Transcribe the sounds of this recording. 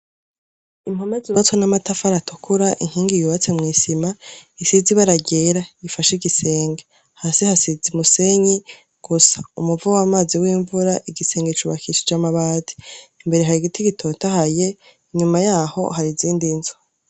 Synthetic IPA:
im̥homeziβat͡sonamatafaɾatʰokʰuɾaʔḭŋ̥hiːŋɡijuβat͡semŋiːsimaisiziβaɾaɟeɾaifaʃiɡise̞ːŋɡe | hasihasizimuse̞ɲi | ɡ̥usḁumuvawamaːziwiːɱvuɾaʔiɡise̞ːŋɡet͡ʃuβakiʃid͡ʒamaβadi̥imbe̞ɾe̞ɦaɾiɡitiɡitʰotahaje̞ | iɲumajaːho̞̰haɾiziːndinzo

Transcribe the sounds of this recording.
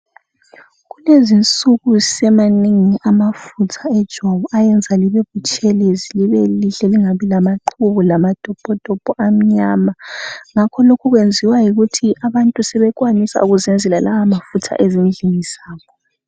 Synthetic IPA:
ɣulezint͡sʼuɣusɛmaniŋiʔamafutʰaɛd̥ʒ̥ʱwaβɔʔajɛnd͡zʱaliβeβut͡ʃʼeleziliβeliɬɛliŋaβilamaǃʰuβulamad̥ʱɔb̥ʱɔd̥ʱɔb̥ʱɔʔam̩ɲamaŋakʰɔlokʰuɣwend͡zʱiwajiɣutʰiʔaβantʼusɛβɛkwanisa̰uɣuzɛnd͡zʱɛlalawamafutʰa̰ʔezind͡ɮʱiŋiz̥aːkɔ

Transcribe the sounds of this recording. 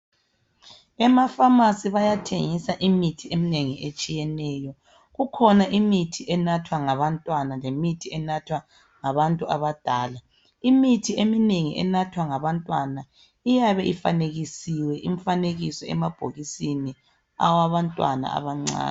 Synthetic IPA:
ɛmafamasiβajatʰḛŋisaʔimitʰiʔemineŋiʔet͡ʃʼijɛnɛːjɔ | ɣukʰɔnaʔimitʰiʔɛnatʰwaŋaβantʼwanalemitʰiɛnatʰwa | ŋaβantʼuaβad̥ʱaːla | imitʰiemineŋiʔɛ̰natʰwaŋaβantʼwana | ijaβɛʔifa̰neɣisiwɛʔiɱfaneɣisɔɛ̰mab̥ʱo̰ɣisini | a̰waβantʼwa̰na̰a̰βaŋ͡ǀa̰ːn

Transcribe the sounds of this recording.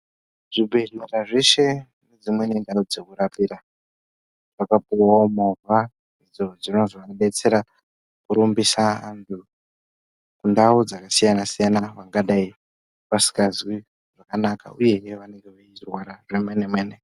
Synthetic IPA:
ʐ̥ibʱe̞neraʐe̞ʃe̞ | ne̞d͡zimwe̞nendaud͡ze̞kuɾapiɾa | ʐ̥akapuwaomorwa | id͡zo̞d͡zino̞zoʋaɓe̞t͡se̞ɾa | kuɾumbisaantʰu | kundaud͡zakasijanasijanaʋaŋɡaɗai | pasi̥kazwi | ʐ̥akanaka̰uje̞ʋane̞ŋɡeairwaɾaʐemenemweːne

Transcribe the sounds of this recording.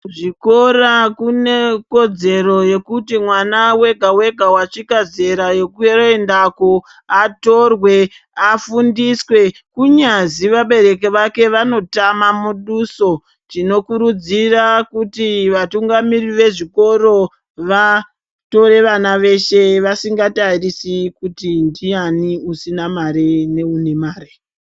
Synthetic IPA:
ʐiko̞ɾakune̞ko̞d͡ze̞ɾo̞je̞kutimwanawe̞ɡʱawe̞ɡʱawat͡ʃikaze̞ɾaje̞kuroendako | ato̞rwe̞ | afundiswe̞ | kuɲaziʋaɓe̞ɾe̞k̬eʋake̞ʋano̞tamamuɗuso̞ | tino̞kuɾud͡zirakutiʋatuŋɡamiriʋe̞ʐiko̞ɾo̞ | ʋa | to̞re̞ʋanaʋe̞ʃe̞ʋasiŋɡatarisikutindianiusinamaɾene̞unemaːɾe

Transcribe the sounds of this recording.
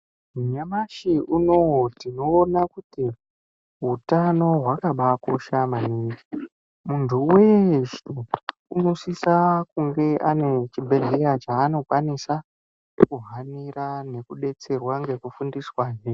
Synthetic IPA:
muɲamaʃiuno̞tino̞ːnakuti | ɦutano̞ɦwakaɓakoʃamaneːi | muntʰuwe̞ʃuunosisakuŋɡe̞ʔane̞t͡ʃibʱe̞ɮe̞ɾat͡ʃaːno̞kwanisa | kuɦanirane̞kuɗe̞t͡se̞rwaŋɡe̞kufundiswaʒe

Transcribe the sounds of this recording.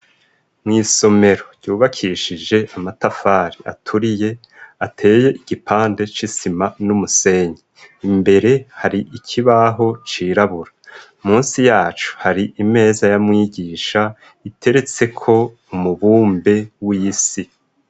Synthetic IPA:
mŋiːso̞me̞ɾo̞ɟɟuːβakʰiʃid͡ʒe̞amatafaːɾia̰tʰuɾije̞ | atʰe̞ːje̞ʔiɡ̥ipaːnde̞t͡ʃisimanumuse̞ːɲe | imbe̞ɾe̞haɾiicʰiβaɦo̞t͡ʃiːɾaβuɾa | muːnsijaːt͡ʃu̥haɾiʔime̞ːzajamŋiːɟiːʃa | itʰe̞ɾe̞t͡se̞kʰo̞ | umuβuːmbe̞wiːsi

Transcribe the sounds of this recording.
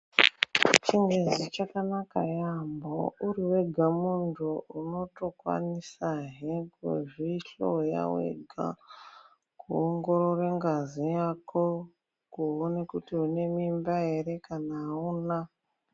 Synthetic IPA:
t͡ʃiŋɡezit͡ʃakanaka̰jambouɾiwe̞ɡʱamuntʰuuno̞to̞kwa̰nisaɦekḛʐiɬo̰ja̰wḛɡʱa̰ | kuoŋɡo̞ɾo̞rwe̞ŋɡazijako̞ | kuonekutiune̞mimbae̞ɾe̞kanaːuːna

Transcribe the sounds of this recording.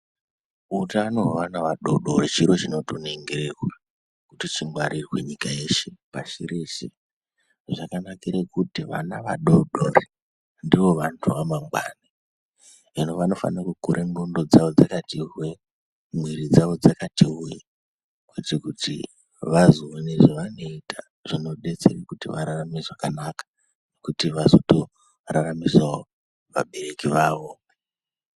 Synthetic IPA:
utanoɦoʋanaʋaɗoɗoɾit͡ʃiɾo̞t͡ʃino̞toneŋɡiɾerwa | kutit͡ʃiŋɡwaɾʔirwḛɲikae̞ʃepaʃiɾeʃḛ | ʐakanakiɾekutiʋa̰naʋa̰ɗoɗori | ndiʋo̞ʋantʰuʋamambaːni | inoʋano̞fa̰nakukuɾʔeŋɡundo̞d͡zaʋo̞d͡zakatirwe̞ | mwiɾid͡zaʋo̞d͡zakatiuji | kwetekutḭ | ʋazuwineʐoʋano̞itʰa | ʐ̥ino̞ɗet͡sḛrekutiʋaɾaramiʐakanakḁ | nekutiʋazoto | raramizao | ʋa̰ɓe̞rekiʋaːʋo̞

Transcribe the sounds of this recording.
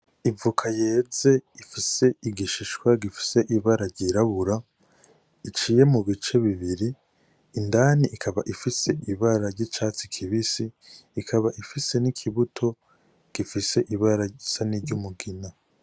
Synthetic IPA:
ivukʰaje̞ːze̞ifise̞iɡiʃiʃwaɡifi̥se̞ʔiβaɾaɾɟiɾaβuɾa | it͡ʃiːje̞muβit͡ʃe̞βiβiɾiː | ndaːniʔkʰaβaʔifise̞iβaɾaɾɟit͡ʃaːt͡si̥kʰiβisiː | kʰaβaʔifise̞nikʰiβutʰo̞ | ɡ̥ifise̞ʔiβaɾasaniɾɟumuɡina

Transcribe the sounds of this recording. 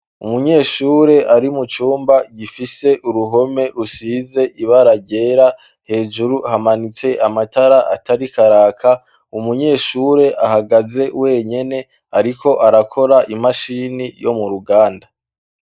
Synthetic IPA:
umuɲe̞ːʃuːɾe̞ʔaɾimut͡ʃuːmbaɟifise̞ʔuɾuɦo̞me̞ɾusiːze̞ʔiβaɾaɡɟe̞ːɾa | he̞ːd͡ʒuɾuhamanit͡se̞ʔamataɾaʔataɾikaɾaːkʰa | umuɲe̞ːʃuːɾe̞ʔahaɡaze̞we̞ːɲe̞ne̞ | aɾiko̞ʔaɾakʰo̞ɾaʔimaʃinijo̞̰muɾuɡaːnda

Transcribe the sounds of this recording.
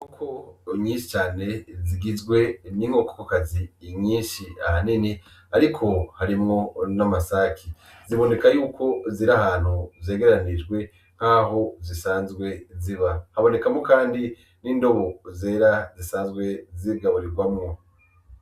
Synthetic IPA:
ukʰoɲiːnʃi̥t͡ʃaːne̞ziɡizɡwe̞niŋɡoko̥kokaziːɲiːʃia̰hanini | aɾikʰo̞haɾimŋo̞namasakʰi | ziβo̞ne̞kajuːkʰo̞ziɾahaːn̥huve̞ːɡe̞ɾanid͡ʒɡwe̞ | ŋ̥haɦozisaːnzɡwe̞ziβahaβo̞ne̞kamŋokaːndi | niːndo̞βo̞ze̞ːɾazisaːnzɡwe̞ziɡaβuɾiɡwamŋo

